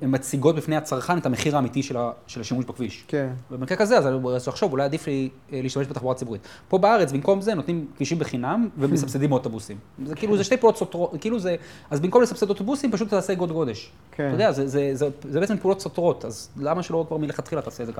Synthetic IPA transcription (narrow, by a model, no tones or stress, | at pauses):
emːat͡siɡo̞t̪̚bifneat͡saʁχanet̪ameχiʁaːmit̪iʃelaʃelaʃimuʃbakviʃkvebemkʁekazeazaazuaχʃo̞vulajad̪ifli | leiʃt̪ameʃbet̪aχbouʁat͡sibuʁit | po̞baaʁet͡sbimko̞mze̞no̞t̪nimkviʃimbeχinamvemesabsed̪imot̪obusimzekiːluzeʃte̞jpeulo̞t̪sot̪ʁotkiːluzeazbimkomlesafsed̪ot̪obusimpaʃuttaːseɡo̞d̪ɡo̞de̞ʃ | odeazezezezebet͡sempeulo̞t̪so̞t̪ʁo̞t̪azlamaʃelo̞kvaʁmileχat̪χilat̪aːsezeka